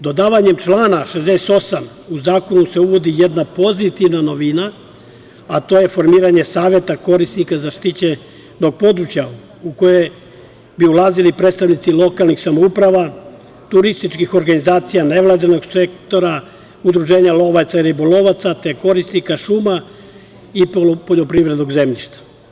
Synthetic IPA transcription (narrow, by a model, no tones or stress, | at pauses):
d̪o̞d̪aːʋaɲe̞mt͡ʃlˠaːnaʃezd̪ese̥t̪o̞sam | uzaːko̞nuse̞uʋo̞d̪ijed̪napo̞zit̪iʋnano̞ʋina | at̪o̞ːje̞fo̞ɾmiːɾaɲe̞saːʋje̞t̪ako̞ɾisnikazaʃt̪it͡ɕe | no̞ɡ̚po̞d̪ɾut͡ɕja | uko̞je̞j | biulaːzilipɾedt̪st̪aʋnit̪silo̞kalˠnixsamoupɾaʋa | t̪uɾist̪it͡ʃkixo̞ɾɡanizaːt̪sijane̞ʋlad̪ino̞ɡse̞kt̪o̞ɾa | ud̪ɾuʒe̞ːɲalo̞ʋat̪saiɾiboloʋat̪sat̪e̞ko̞ɾisnikaʃuma | ipopoʎo̞pɾivɾe̞d̪no̞ɡze̞mʎiʃt̪ḁ